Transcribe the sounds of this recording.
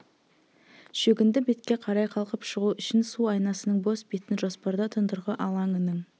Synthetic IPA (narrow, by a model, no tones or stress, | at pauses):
ʃɵɡʲɪnd̪ɪbe̞t̪kʲe̞qʰɑɾɑjqʰɑlˠqəpʃəʁuʏʃɪnsuɑjnɑsənəɴbo̞sbe̞t̪ɪnʒo̞spɑɾd̪ɑt̪ʰʊnd̪əɾʁəʔɑlˠɑŋənəɴ